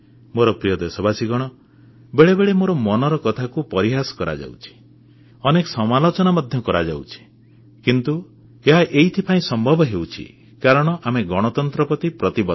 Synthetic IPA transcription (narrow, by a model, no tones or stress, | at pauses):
moɾɔpɾijɔd̪esɔbasiɡɔɽ̃ɔ | beɭebeɭemoɾɔmɔnɔɾɔkɔt̪ʰakupɔɾiɦasɔ̥kɔɾa̰d͡ʒa̰wt͡ʃʰi̥ | ɔnekɔsɔmalot͡ʃɔnamad̪ʱjɔkɔɾad͡ʒa̰wt͡ʃʰi̥ | kint̪u | eɦaʔeit̪ʰipʰaĩsɔmbʱɔbʱɔɦewt͡ʃʰḭ | kaɾɔɽ̃ɔʔameɡɔɽ̃ɔt̪ɔnt̪ɾɔpɔt̪ipɾɔt̪ibɔ